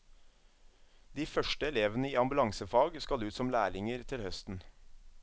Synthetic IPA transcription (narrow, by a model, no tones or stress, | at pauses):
d̪iːfœʃʈəɛleːʋənəiːɑmbʉlɑŋsəfɑːɡskɑlʉːt̪sɔmlæːɭɪŋəɾt̪ʰɪlhœst̪n̩